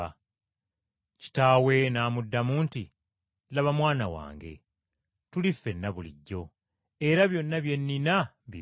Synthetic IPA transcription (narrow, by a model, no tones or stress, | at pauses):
ci̥taːwe̞naːmudːamuːnti | laβamwaːnawa̰ːŋɡe̞̰ | tulifːe̞nːaβulḭɟːo̞ | e̞ɾaβjo̞nːaβje̞nːina | βi